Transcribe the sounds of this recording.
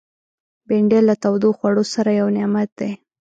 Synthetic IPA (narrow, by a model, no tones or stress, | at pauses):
beɳɖelːat̪awd̪oxwaɽosaɾajawnɪmat̪̚d̪ej